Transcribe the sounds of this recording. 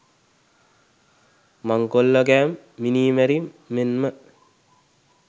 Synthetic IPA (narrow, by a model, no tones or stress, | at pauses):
maŋkolːəɡæːmː | iniːmæɾimːenmə